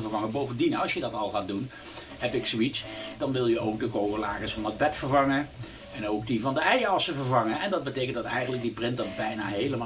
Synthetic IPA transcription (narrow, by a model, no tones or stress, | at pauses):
vəɹvɑŋəbowvəndinɑlˠsjədɑtɑlˠχaːt̚dun | ɦɛpɪksoitsd̥ɑnʋɪlˠjəowk̚dəkowɣəlaːɣəsfɑnəd̚bɛtfəɹvɑŋə | ɛnowkdivɑndəɛjɑsəvəɹvɑŋəɛndɑd̚bətejkəntdɑtɛjχənlək̚diprɪntdɑtbɛjnaːɦejləma